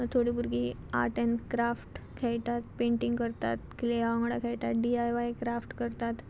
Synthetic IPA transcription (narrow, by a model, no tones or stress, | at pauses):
t̪ʰoɽiːbuɾɡia̰ʈenkɾafʈkʰɛjt̪at̪pẽɳʈiŋɡkəɾt̪a̰t̪kleaʋə̃ŋɡɽakʰɛjt̪at̪ɖiajʋajkɾafʈkəɾt̪at̪